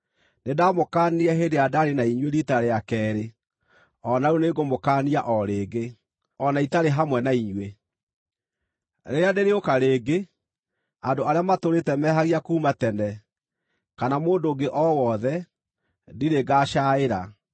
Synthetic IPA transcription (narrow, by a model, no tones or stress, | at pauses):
nedamokaːniɛɦedeadaɾenaiɲweɾitaɾeakɛːɾe | ɔnauneɡomokaːniaʔɔɾeːɡe | ɔnaitaɾeɦamwɛnaiɲwe | ɾeɾeadeɾeokaɾeːɡe | andoaɾeamatoɾetɛmɛɦaɣiakuːmatɛnɛ | kanamoːndoːɡeʔɔwɔðɛ | diɾeɡaːʃaeɾa